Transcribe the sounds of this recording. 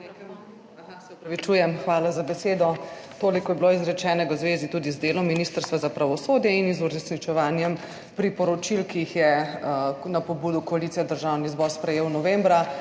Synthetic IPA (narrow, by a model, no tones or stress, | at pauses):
k | sɛɔpɾɐʋit͡ʃujɛmxʋaːlazabɛseːd̪ɔt̪oːlikɔjɛbiloizɾɛt͡ʃɛːnɛɡawzʋeːzit̪uːd̪izd̪eːlɔmːinist̪əɾst̪ʋazapɾaʋɔsoːd̪jɛinizuɾɛsnit͡ʃɛʋaːnjɛm | pɾipɔɾɔt͡ʃilkiixjɛ | napɔbuːd̪ukɔalit̪sijɛd̪əɾʒawnizbɔɾspɾɛjeːwnɔʋembɾa